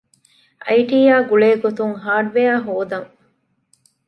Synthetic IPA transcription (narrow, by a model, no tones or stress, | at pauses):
ʔɐ̰jʈiːjaːɡuɭeːɡot̪uŋɦaːɖʋejaːɦoːd̪ɐŋ